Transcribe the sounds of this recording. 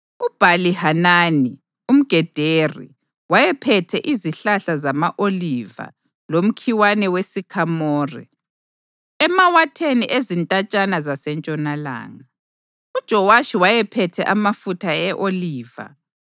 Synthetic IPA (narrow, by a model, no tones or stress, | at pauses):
ub̥ʱalihanaːni | um̩ɡ̥ʱɛd̥ʱerḭ | wajɛpʰɛtʰɛʔiziɬaɬazamaʔoliva̰ | lom̩kʰiwanɛwesikʰamɔːrḭ | ɛmawatʰeniʔezintʼat͡ʃʼanazasɛnt͡ʃʼɔnala̰ːŋa | ud̥ʒ̥ʱɔwaʃiwajɛpʰɛtʰɛʔamafutʰaɛʔoliːva̰